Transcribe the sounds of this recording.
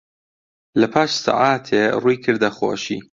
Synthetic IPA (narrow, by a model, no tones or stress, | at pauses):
lɐpʰaːʃsa̰ʕaːt̪ʰeruːjkʰɨɾd̪axo̰ːʃḭː